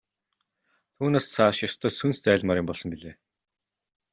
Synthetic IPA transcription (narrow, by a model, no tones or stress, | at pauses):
t̪ʰuːneːst͡sʰaʃjɔst̪ʰɔːsunst͡sæːɮmaːɾʲɪ̆mpɔɮsɞ̆mpiɮeː